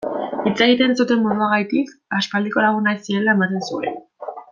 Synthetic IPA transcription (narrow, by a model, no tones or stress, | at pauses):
it͡seɣ̞it̪e̞nt͡sut̪e̞mmoðuaɣajt̪ikaspald̪iko̞laɣ̞unaisie̞lae̞mat̪e̞nsue̞n